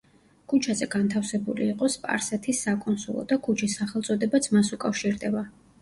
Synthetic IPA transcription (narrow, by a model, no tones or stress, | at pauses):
kʰut͡ʃʰazɛɡant̪ʰafsɛbṵlḭːqʼɔspʼa̰ɾsɛt̪ʰisːakʼɔnsṵlˠɔ̰d̪akʰut͡ʃʰisːaχɛlˠt̪sʼɔd̪ɛbat̪sʰmasukʼafʃiɾd̪ɛba